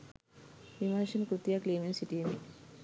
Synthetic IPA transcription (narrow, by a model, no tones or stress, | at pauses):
ʋimaːʃɐnkɾut̪jaːkleːminsiʈijemi